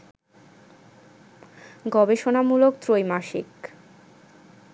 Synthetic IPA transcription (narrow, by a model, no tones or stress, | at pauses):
ɡɔbeʃonamulokt̪ɾojmaʃḭk